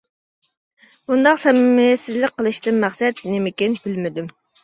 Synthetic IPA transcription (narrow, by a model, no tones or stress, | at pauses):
bund̪ɑqsɛmɪmɪsɪzlɪk̚ʲqʰːəlˠɨʃt̪ɨnmæχsɛt̪nɪmɪkʲinbylmɪd̪ym